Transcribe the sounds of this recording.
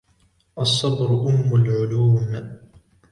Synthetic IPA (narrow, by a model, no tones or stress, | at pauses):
ʔɑsˤːɑbɾʊʔʊmːʊlʕʊluːm